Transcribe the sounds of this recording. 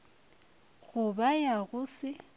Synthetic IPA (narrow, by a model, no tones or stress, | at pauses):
ɣʊbajaɣʊsɪ